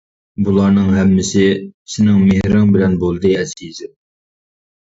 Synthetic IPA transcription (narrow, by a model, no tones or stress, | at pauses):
bulˠɑɾnɨŋɦɛmːɪsɪsɪnɪŋmehɾɑŋbɪlɛnbolˠd̪ɨɛziz